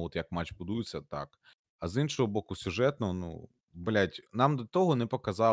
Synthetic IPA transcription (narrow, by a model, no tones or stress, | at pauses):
ɔt̪jɐkmɑt͡ʃbʊd̪ujɪt͡sʲːɐt̪ɑ̰k | ɐzinʃɔɦɔbɔkʊsʲʊʒɛt̪nɔɦɔnṵ | bɐlʲatʲnɑmd̪ɐt̪ɔɦɔnɛpɔkɐzɑ